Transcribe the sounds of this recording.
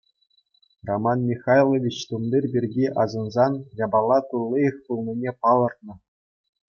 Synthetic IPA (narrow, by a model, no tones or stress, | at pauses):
romɑnmʲixɑjlˠoʋʲit͡ɕt̪umd̪ʲirʲbʲirʲɡʲiʔɑzɤ̆nzɑnjɑbɑlˠːɑt̪ulˠːijɤχt̪ulˠnʲinʲepɑlˠɤ̆rt̪̚nɤ̆